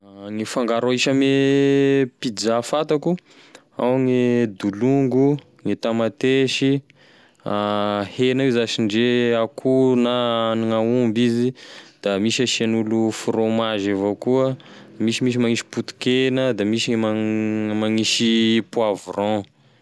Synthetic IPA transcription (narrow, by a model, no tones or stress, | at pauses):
ŋifaŋɡaɾoiʃame | pid͡zafat̪aku | awŋed̪uluŋɡu | ŋet̪amat̪eʃi | ahenawezaʃiɳɖ͡ʐeakʰunaaniŋaumbizid̪̥amiʃaʃianulufɾomaʒevokuə | misimiʃ̬imaŋiʃi̥put̪u̥kenəd̪amiʃimamaŋiʃipuavurɔ̃